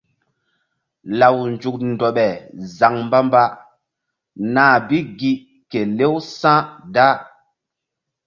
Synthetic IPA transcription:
la˨wnd͡ʒu˨k̚ndɔ˨ɓɛ˨za˨ŋmba˦mba˦ | na˨bi˦ɡi˦ | ke˨le˦wsã˦da˦

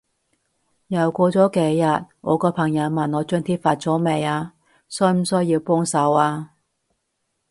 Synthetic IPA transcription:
jɐ˨˩wkʷɔː˧t͡sɔː˨˥ke˨˧˥jːɐ˨t̚ŋɔ̰ː˨˧kɔː˧pʰɐ˨˩ŋjɐ˨˧wmɐ˨˩nɔː˨˧t͡ʃœː˥nt̪ʰiː˥p̚faː˧t̚t͡sɔː˨˥me˨˧jaː˧ | sœ˥˧jm̩˨˩sɵ˥jiː˧wpɔː˥ŋsɐ˨˧˥waː˧

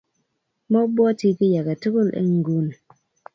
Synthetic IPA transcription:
mɔ˦bɔ˦ti˦ki˦ja˨ɡe˨tu˦ɡu˦lḛ˦ŋ˨ɡu˦n˨

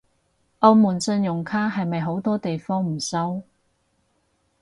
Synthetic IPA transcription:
ʔɐ˧wmuː˨˩nsɵ˧njʊ˨˩ŋkʰaː˥ɦɐ˨jmɐ˨jɦo˨˥wt̪ɔː˥t̪e˨jfɔː˥ŋm̩˨˩sɐ˥w

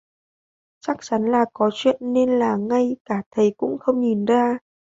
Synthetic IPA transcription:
t͡ɕa˦˥k̚t͡ɕa˨˦nlaː˨˩kɔ˨˦t͡ɕwḭ˧˨ənːe˧nlaː˨˩ŋa˧jkaː˧˩t̪ʰə˨˦jkʊ̰˧˥ŋ͡mxə˧wŋ͡mɲi˨˩nzaː˧

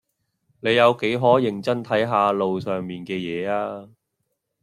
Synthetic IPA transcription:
ne˨˧jjɐ˨˧wke˨˥jɦɔː˨˥jɪ˨˩ŋt͡sɐ˥nt̪ʰɐ˨˥jɦaː˧lo˨wsœː˨˩ŋmiː˨nkɛː˧jɛː˨˧aː˧

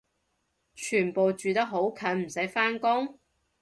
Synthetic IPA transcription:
t͡ʃʰyː˨˩npo˨wt͡ʃyː˨t̪ɐ˥k̚ɦo˨˥wkʰɐ˨˥nm̩˨˩sɐ˨˥jfaː˥nkʊ˥ŋ

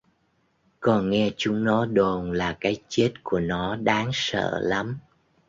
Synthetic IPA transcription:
kɔ˨˩nŋɛ˧t͡ɕʊ˨˦ŋ͡mnɔ˨˦ɗo˨˩nlaː˨˩kaː˨˦jt͡ɕe˦˥t̚ku˧˩ənɔ˨˦ɗaː˨˦ŋsə̰ː˧˨la˨˦m

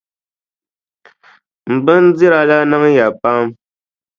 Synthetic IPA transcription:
m̩˨bə˦n̩˦d͡zi˦ɾa˨la˦na˦ŋ˦ja˨pa˦m

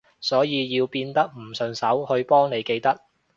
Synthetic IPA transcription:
sɔː˨˥jiː˨˧jiː˧wpiː˧nt̪ɐ˥k̚m̩˨˩sɵ˨ŋsɐ˨˥whɵ˧ɥpɔː˥ŋne˨˧jke˧jt̪ɐ˥k̚

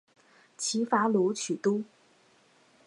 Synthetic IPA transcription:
t͡ɕʰi˧˥fa˧˥lu˧˥t͡ɕʰy˨˩t̪u˥

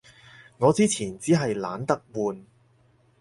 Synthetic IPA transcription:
ŋɔː˨˧t͡siː˥t͡sʰiː˨˩nt͡siː˨˥ɦɐ˨jla̰ː˨˥nt̪ɐ˥k̚wuː˨n

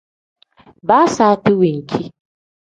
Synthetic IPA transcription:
baː˦saː˦tu˦wi˨ŋ̩˨kʲʰi˦

